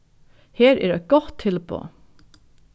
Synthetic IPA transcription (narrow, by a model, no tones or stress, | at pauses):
heːɾɛ̰ːɾæɡ̥ɔt̪ʰɪlbʰo̰ː